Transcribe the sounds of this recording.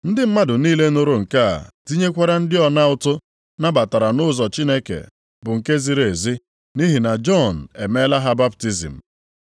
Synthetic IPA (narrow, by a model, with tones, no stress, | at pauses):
n̩˦dɪ˦m̩˦ma˦dʊ˨niː˦le˦no˦ɾo˨ŋ̩˨ka˦a̰˨di˦ɲe˦kʷa˦ɾa˦n̩˦dɪ˦ɔ˨na˦ʊ˦tʊ˦ | na˦ba˨ta˨ɾa˨nʊ˦zɔ˨t͡ʃi˦ne˦kḛ˨ | bʊ˨ŋ̩˨ke˦zi˦ɾe˨e˨zi˦ | ni˦ɦi˨na˨d͡ʒɔ˦˨n̩˨e˨me˦la˦ɦa˦ba˦p̚ti˦zḭ˨m̩˨